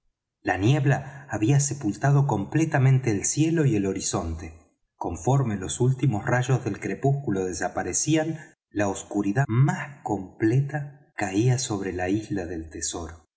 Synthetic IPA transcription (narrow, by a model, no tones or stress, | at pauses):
lanje̞βlaːβiase̞pult̪að̞o̞ko̞mplet̪amẽnt̪eːlsje̞lo̞ielo̞ɾiso̞nt̪e̞ | ko̞ɱfo̞ɾme̞lo̞sult̪imosraʒo̞zðe̞lkɾe̞puskulo̞ð̞esapaɾesian | laoskuɾiðamasko̞mplet̪akaiaso̞β̞ɾe̞laizlaðe̞lt̪eso̞ɾo